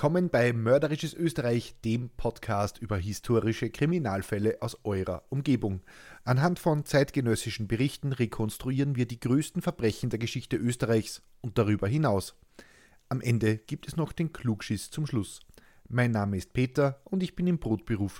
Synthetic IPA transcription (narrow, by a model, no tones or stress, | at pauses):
kʰɔmənb̥aɪmœɐdəʁɪʃəsʔøːstəʁaɪçd̥eːmpʰɔtkʰaːstʔyːbɐɦɪstʰoːʁɪʃəkʁ̥iminaːlfɛləʔaʊsʔɔʏʁɐ̰ʔʊmɡeːbʊŋʔanɦantfɔnt͡saɪtɡ̥ənœsɪʃn̩bəʁɪçtn̩ʁekʰɔnstʁ̥uiːʁənviːɐdiːɡʁøːstn̩fɛɐb̥ʁɛçn̩deːɐɡəʃɪçtəʔøːstəʁaɪçs | ʊnt̚d̥aʁyːbɐɦɪnaʊs | ʔamʔɛndəɡ̥iːp̚tɛsnɔχd̥eːnkʰl̥uːkʃɪst͡sʊmʃlʊs | maɪnːaːməɪst̚pʰeːtɐʔʊndɪçb̥ɪnɪmbʁoːtb̥əʁuːf